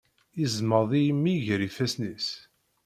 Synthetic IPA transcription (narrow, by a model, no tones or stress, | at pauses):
izməɾðˤijmːiʝɾifæsnis